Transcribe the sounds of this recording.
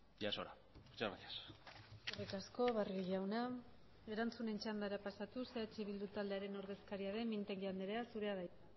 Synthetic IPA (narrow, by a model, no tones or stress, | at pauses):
jaso̰ɾa | t͡ʃaaiasorekasko̞βarɣiʎʝawna | e̞ɾant͡sune̞nt͡ʃand̪aɾapasat̪useat͡ʃiβild̪ut̪ald̪e̞aɾe̞no̞ɾðe̞skaɾiaðe̞mint̪eŋɡand̪eɾeasuɾe̞aða